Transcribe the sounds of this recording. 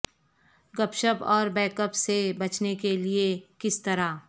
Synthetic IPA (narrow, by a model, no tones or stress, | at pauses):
ɡɐpʃəpɔːɾbɛ̃ːkəpsebɐt͡ʃnekeliekɪst̪ɐɾa